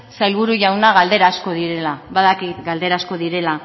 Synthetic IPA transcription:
sajlβ̞uɾuʝawnaɣald̪e̞ɾasko̞ð̞iɾe̞laβaðakit̪ɡald̪e̞ɾasko̞ðiɾe̞la

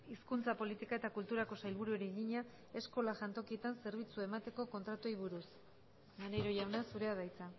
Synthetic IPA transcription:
iskunt͡sapo̞lit̪ikae̞t̪akult̪uɾako̞sajlβuɾueɾiɣiɲa | e̞sko̞laʝant̪o̞kie̞t̪anse̞ɾβ̞it͡suaemat̪e̞ko̞ko̞nt̪ɾat̪ojβuɾus | maneɾo̞ʝawnasuɾe̞aðajt͡sa

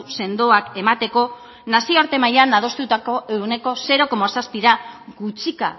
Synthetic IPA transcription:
se̞nd̪o̞ake̞mat̪e̞ko̞ | nasioaɾt̪e̞majanað̞ost̪ut̪ako̞ewne̞ko̞se̞ɾo̞ko̞masaspiɾaɡut͡ʃika̰

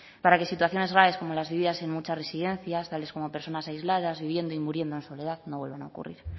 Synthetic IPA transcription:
paɾake̞sit̪waθjo̞ne̞zɣɾaβe̞sko̞mo̞lazβiβiðasenmut͡ʃare̞siðẽ̞nθjast̪ale̞sko̞mo̞pe̞ɾso̞nasaizlað̞azβiβ̞je̞nd̪oimuɾje̞nd̪oenso̞le̞ð̞aðnoβwe̞lβana̰okṵrḭɾ

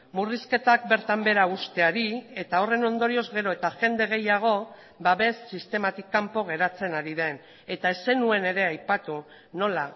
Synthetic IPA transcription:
muriske̞t̪ak̚be̞ɾt̪ambe̞ɾaust̪e̞aɾie̞t̪ao̞re̞no̞nd̪o̞ɾio̞zɣe̞ɾo̞e̞t̪aʝe̞nd̪e̞ɣ̞e̞jaɣ̞o̞ | baβe̞sːist̪e̞mat̪ikːampo̞ɣ̞e̞ɾat͡se̞naɾiðe̞n | e̞t̪ae̞se̞nue̞ne̞ɾe̞ajpat̪u | no̞la

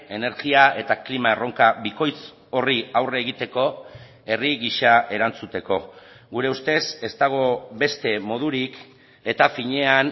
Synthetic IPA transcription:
e̞ne̞ɾɣiaʔe̞t̪aklimaero̞ŋkaβiko̞jt͡s | o̞riawreːɣit̪e̞ko̞ | e̞riɣiʃae̞ɾant͡sut̪e̞ko̞ | ɣuɾe̞ust̪e̞se̞st̪aɣ̞o̞βe̞st̪e̞mo̞ð̞uɾik | e̞t̪afiɲe̞an

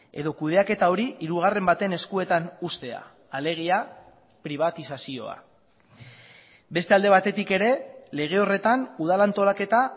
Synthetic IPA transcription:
e̞̰ðo̞kuð̞e̞ake̞t̪ao̞ɾiiɾuɣ̞are̞mbat̪e̞ne̞skue̞t̪anust̪e̞a̰ː | le̞ɣ̞ia | pɾiβ̞at̪isasio̞̰a̰ | be̞st̪e̞ald̪e̞βat̪e̞t̪ike̞ɾe̞le̞ɣ̞e̞o̞re̞t̪anuð̞alant̪o̞lake̞t̪a

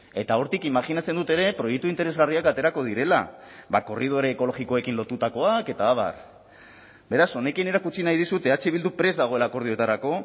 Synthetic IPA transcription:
e̞t̪ao̞ɾt̪ikimaxinat͡se̞nd̪ut̪e̞ɾe̞pɾo̞jek̚t̪uint̪eɾe̞zɣariakat̪e̞ɾako̞ð̞iɾe̞la̰βako̞rið̞o̞ɾeːko̞lo̞ɣiko̞e̞kinlo̞t̪ut̪ako̞ake̞t̪aːβa̰r | be̞ɾaso̞ne̞kine̞ɾakut͡sinajðisut̪e̞at͡ʃeβild̪upɾe̞zd̪aɣ̞o̞e̞laːko̞ɾð̞ioe̞t̪aɾako̞

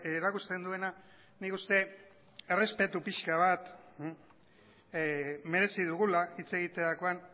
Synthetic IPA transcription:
eɾakust̪e̞nd̪ue̞na | nikust̪e̞ | e̞re̞spe̞t̪upiʃkaβ̞at̪ | me̞ɾe̞siðuɣulait͡se̞ɣit̪e̞ako̞an

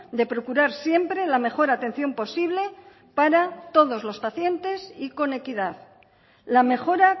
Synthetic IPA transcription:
d̪e̞pɾo̞kuɾaɾsje̞mpɾe̞lame̞xo̞ɾat̪e̞n̟θjo̞mpo̞siβle̞ | paɾat̪o̞ð̞o̞zlo̞spaθje̞nt̪e̞siko̞ne̞kiðað | lame̞xo̞ɾa

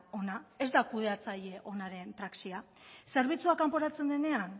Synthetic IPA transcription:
o̞nae̞zd̪akuð̞e̞at͡saʎe̞ʔo̞naɾe̞nt̪ɾaksia | se̞ɾβ̞it͡suakampo̞ɾat͡se̞nd̪e̞ne̞an

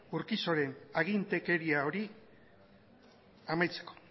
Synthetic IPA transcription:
uɾkiso̞ɾe̞naɣ̞int̪e̞ke̞ɾiao̞ɾi | amajt͡se̞̥ko̞̥

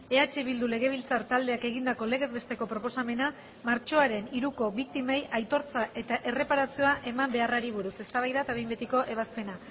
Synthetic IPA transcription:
e̞at͡ʃeβild̪ule̞ɣ̞e̞β̞ilt͡saɾt̪ald̪e̞ake̞ɣ̞ind̪ako̞le̞ɣ̞e̞zβe̞st̪e̞ko̞pɾo̞po̞same̞na | maɾt͡ʃo̞aɾe̞niɾuko̞βik̚t̪imajʔajt̪o̞ɾt͡saʔe̞t̪aʔe̞re̞paɾasio̞aʔe̞mambe̞araɾiβ̞uɾuse̞st̪aβajðat̪aβe̞jmbet̪iko̞ʔe̞β̞aspe̞na

